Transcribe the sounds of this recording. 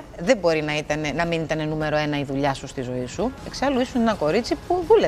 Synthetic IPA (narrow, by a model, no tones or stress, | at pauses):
ðebo̞ɾinɐit̪ɐne̞nɐminit̪ɐne̞nume̞ɾo̞e̞nɐiðuʎɐsust̪izo̞isue̞ksɐluisune̞nɐko̞ɾit͡sipuðule